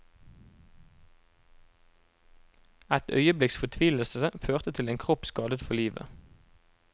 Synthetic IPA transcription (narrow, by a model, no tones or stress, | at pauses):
æt̪œ̰ʏəblɪksfɔt̪ʰʋiːləlsəəføːʁt̪ət̪ʰɪleːŋkʰʁɔpskɑːd̪ət̪fɔliːʋə̰